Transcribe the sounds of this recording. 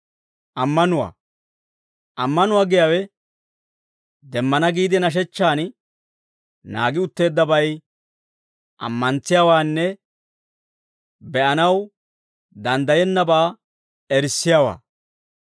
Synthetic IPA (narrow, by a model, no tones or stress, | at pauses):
ʔɐmːɐnʊwa̰ː | ʔɐmːɐnʊwaːɡɪjawɛ | d̪ɛmːɐnɐɡiːd̪ɪnɐʃ̬ɛt͡ʃːaːn | naːɡɪʊt̪ːe̞ːd̪ːɐbɐj | ʔɐ̰mːɐnt͡sːɪjawaːnːɛ | bɛʔɐnɐw | d̪ɐnd̪ɐjɛnːɐbaː | ɛɾsːɪjaːwa̰ː